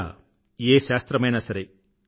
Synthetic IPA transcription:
eːʃaːst̪ɾɐmɐjnɐsɐɾe

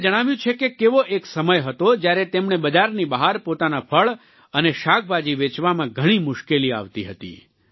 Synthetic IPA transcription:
d͡ʒəɽ̃aʋjũt͡ʃʰekekeʋoʔeksəməjɦət̪od͡ʒjaɾet̪emnebəd͡ʒaɾnibəɦaɾpot̪anapʰəɭ | əneʃak̚bʱad͡ʒiʋet͡ʃʋamãɡʱəɽ̃imʊʃkelia̰ʋt̪iɦət̪ḭ

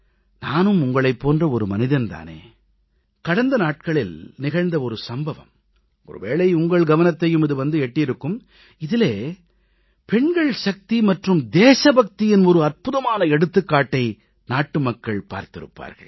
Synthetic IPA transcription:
naːnɯmʊŋɡɐɭɐɪpːoːndrɐɔɾɯmɐnɪðɐnt̪a̰ːnḛː | kɐɽɐnd̪ɐnaːʈ̚kɐɭɪlnɪɣɐɻnd̪ɐɔɾɯsɐmbɐʋɐ̰m | ɔ̰ɾɯ̰ʋeːɭɐɪʊŋɡɐɭɡɐʋɐnɐt̪ːɐjɯmɪðɯʋɐnd̪ɯɛʈːɪjɪɾɯkːɯm | ɪðɪleː | pɛɳɡɐɭʃɐk̚t̪imɐʈrɯmd̪eːsɐbɐk̚t̪ɪjɪnɔɾɯɐrpɯðɐmaːnɐɛɽɯt̪ːɯkːaːʈːɐɪ | naːʈːɯmɐkːɐɭpa̰ːɾt̪ɪɾɯ̰pːa̰ːɾɣɐ̰ɭ

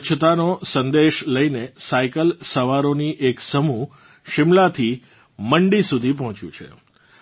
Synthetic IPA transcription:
t͡ʃʰət̪anosənd̪eʃləjnesaikəlsəʋaɾoniʔeksəmu | ʃɪmlat̪ʰi | məɳɖisud̪ʱipɔɦɔ̃t͡ʃjṵ̃t͡ʃʰḛ

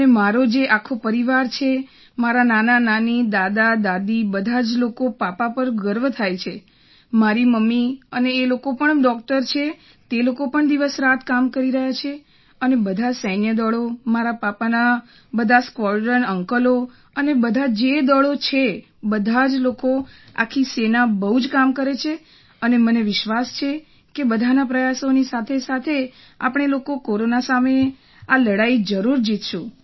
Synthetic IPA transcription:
ənemaɾod͡ʒeʔakʰopəɾiʋaɾt͡ʃʰe | maɾananananid̪ad̪ad̪ad̪ibəd̪ʱad͡ʒlokopapapəɾɡəɾʋt̪ʰajt͡ʃʰe | maɾiməmːiəneːlokopəɳɖɔk̚ʈəɾt͡ʃʰe | t̪elokopəɳd̪iʋəsɾat̪ʰkamkəɾiɾəɦjat͡ʃʰe | ənebəd̪ʱasənjəd̪ɔɭomaɾapapana | bəd̪ʱaskʋɔɖəɳəŋkəlo | ənebəd̪ʱad͡ʒed̪ɔɭot͡ʃʰe | bəd̪ʱad͡ʒlokoa̰kʰisenabəɦud͡ʒkamkəɾet͡ʃʰe | əneməneʋɪʃʋast͡ʃʰe | kebəd̪ʱanapɾəjasonisat̪ʰesat̪ʰe | a̰pəɳ̃elokokoɾonasame | aləɽaid͡ʒəɾuɾd͡ʒit̪ʰʃũ

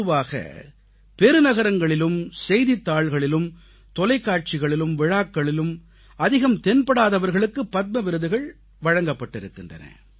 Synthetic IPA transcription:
ɯʋaːɣɐ̰ | pɛɾɯnɐɣɐɾɐŋɡɐɭɪlɯmsɛjðɪt̪ːaːɭɣɐɭɪlɯm | t̪ɔlɐɪkːaːʈ̚t͡ʃɪɣɐɭɪlɯmʋɪɻaːkːɐɭɪlɯm | ɐðɪɣɐmt̪ɛnpɐɽaːðɐʋɐɾɣɐɭɯkːɯpːɐt̪̚mɐʋɪɾɯðɯɣɐɭ | ʋɐɻɐŋɡɐpːɐʈːɪɾɯkːɪndrɐ̰nɐ̰

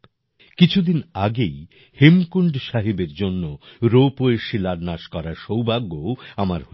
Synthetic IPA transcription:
kit͡ɕʰud̪inaɡej | hemkuɳɖʃaɦibeɾd͡ʑonːoɾopoeʃilaɾnaʃkɔɾaʃowbaɡːoamaɾɦo

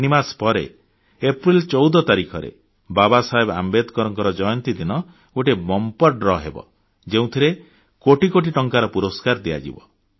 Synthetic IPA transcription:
nimaspɔɾḛ | epɾilt͡ʃɔwd̪ɔt̪aɾikʰɔɾḛ | babasaɦeba̰mbed̪kɔɾɔŋkɔɾɔd͡ʒɔjɔnt̪id̪inɔ | oʈebɔmpɔɾɖɾɔɦḛbɔ̰ | d͡ʒeũt̪ʰiɾe | koʈikoʈiʈɔŋkaɾɔpuɾoskaɾd̪ija̰d͡ʒḭbɔ̰

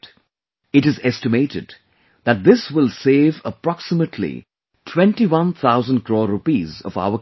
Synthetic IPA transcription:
ɪʈɨzɛstɪmeɪʈɪ̰d | ðæt̚d̪ɪswɪlˠseːvəpɾɑksɪməʈʰlḭ | tʰwɛ̃nʈiwʌ̃nt̪ʰaʊzə̃nɖ̚kɾɔːɾupizɔ̰va̰ʊə

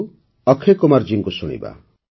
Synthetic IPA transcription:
ɔkʰekomaɾd͡ʒiŋkusuɽ̃ḭba̰

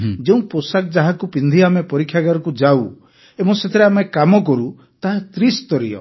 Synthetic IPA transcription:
d͡ʒeũposak̚d͡ʒaɦakupind̪ʱiamepɔɾikʰːjaɡaɾɔkud͡ʒau | emɔset̪ʰeɾeamekamɔkɔɾu | t̪aɦat̪ɾist̪ɔɾḭɔ̰

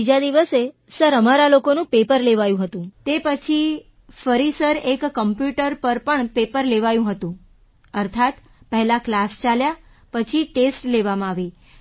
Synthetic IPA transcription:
id͡ʒad̪iʋəse | səɾəmaɾalokonũpepəɾleʋajũɦət̪ũt̪epət͡ʃʰi | fəɾisəɾekːəmpjuʈəɾpəɾpəɳpepəɾleʋajũɦət̪ũ | əɾt̪ʰat̪ | pəɦɛlaklast͡ʃalja | pət͡ʃʰiʈesʈleʋamãaʋi

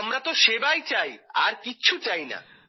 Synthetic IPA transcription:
mɾat̪oʃebajt͡ɕajaɾkiːt͡ɕʰut͡ɕajna̰

